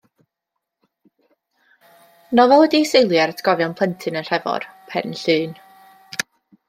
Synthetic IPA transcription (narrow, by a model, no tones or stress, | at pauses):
nɔvɛlˠwɛdisejlˠjɛrətʰɡ̥ɔvjɔnpʰlˠəntʰɨnənr̥ɛvɔ̰rpʰɛ̰rnɬɨːn